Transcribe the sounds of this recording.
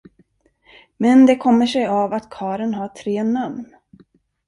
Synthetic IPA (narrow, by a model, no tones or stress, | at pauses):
mɛnd̪ɛkʰɔmːəʂɛjavat̪kʰɑːɾənɦɑːt̪ʰɾeːnamn